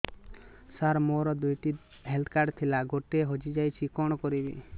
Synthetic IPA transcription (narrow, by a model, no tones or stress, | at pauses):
saɾmoɾɔd̪ujʈi | ɦeld̪kaɖt̪ʰilaɡoʈeɦod͡ʒid͡ʒajt͡ʃʰikɔɽ̃ɔkɔɾibḭ